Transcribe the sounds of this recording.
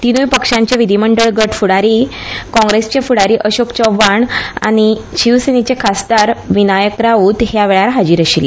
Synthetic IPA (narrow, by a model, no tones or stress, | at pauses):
t̪inujpəkʂãɲt͡ɕjaʋid̪ʱiməɳɖəɭɡəʈfuɽaɾikɔ̃ŋɡɾest͡ɕjefuɽaɾiːʔəɕokt͡ɕɔʋaɳa̰ɽ̃iɕiʋsenit͡ɕekʰast̪aɾʋinajəkɾaʋuːt̪ɦjaʋeɭaɾɦad͡ʑiːɾəɕil